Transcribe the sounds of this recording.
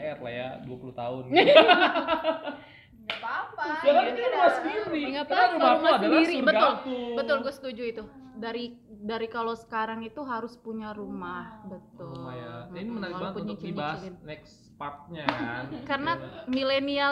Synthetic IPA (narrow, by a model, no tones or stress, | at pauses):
ɛrla̰hja̰duapulut̪aʊn | ŋɡapapaaɾumasədiɾiŋɡapaumandisɾibəʊlbət̪ʊlɡuɛsə̥t̪ud͡ʒuit̪u | daɾi | daɾikalosə̥kaɾaŋit̪uɦaɾʊspuɲaɾumahbət̪ʊlnaalopuɲat͡ʃiiɪnɛks | pat̪̚ɲakarnamilenia